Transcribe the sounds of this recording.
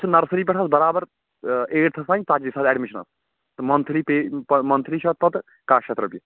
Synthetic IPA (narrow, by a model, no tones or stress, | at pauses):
sʰɨnɐɾsɾiːpɛʈʰɐsbɐɾaːbɐɾ | eːʈt̪ʰɐsaːnʲt̪aːd͡ʒisaːd̪ɛːɖmiʃɐnɐ̰s | t̪ɨmɐnt̪ʰlipeːpmɐnt̪ʰɾiʃʰɐt̪̚pɐt̪ | kaːʃʰet̪ɾɐpji